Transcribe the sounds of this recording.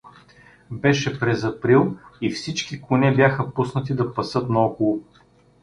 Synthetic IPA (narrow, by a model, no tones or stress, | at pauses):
bɛʃɛpɾɛzɐpɾilˠifsit͡ʃkikʊnɛbjaxəpusnət̪̬id̪ɐpɐsɤt̪nɐɔkʊlˠʊ